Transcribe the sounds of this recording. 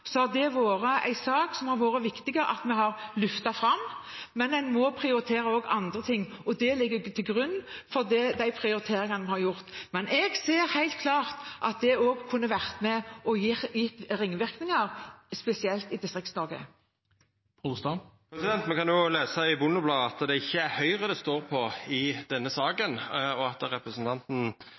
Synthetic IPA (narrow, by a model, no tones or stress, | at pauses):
sɔɑd̪ɛʋoːɾəʔæ̰ɪsɑːksɔmhɑɾʋoːɾəʋɪkt̪ɪɡəɾə̰ʔɑ̰t̪mɛɦɑɾlʉft̪ɑfɾɑmmɛnɛnmɔpʰɾɪʊɾɪt̪ʰeːɾəoːɡɑ̰nd̪ɾət̪ʰɪŋːɔd̪ɛlɪɡːəɾt̪ʰɪlɡɾʉnːfɔɾd̪ɛd̪æɪpʰɾɪʊɾɪt̪ʰeːɾɪŋɑnmɛhɑɾjʊɾt̪mɛnʔɛɡseːɾhæɪlt̪̚kʰlɑːʁt̪ʔɑt̪̚d̪ɛoːɡkʰʉnːəʋæʁt̪mɛʔɔjɪjɪt̪ʁɪŋːʋɪʁknɪŋɑɾspɛsɪɛlt̪ɪd̪ɪst̪ʁɪktsnɔɾɡə̰ | pʰʊd̪st̪ɑpʰɾɛsɪd̪ɛnt̪mɛkʰɑnjʊleːsɑɪbʊnːʊblɑːɑt̪d̪ɛɪçːəæɾhœʏʁəd̪ɛst̪oːɾpʰɔɪd̪ɛnːəsɑːɡənɔɑt̪ɾɛpɾəsnt̪ʰɑnt̪n̩